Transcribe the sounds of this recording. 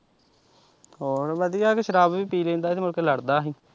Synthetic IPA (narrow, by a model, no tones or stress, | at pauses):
oːɾʋəd̪ijaːkeʃəɾaːbʋiːpiːlẽːnd̪aːt̪eːmʊlkeːləɽd̪aːɦiː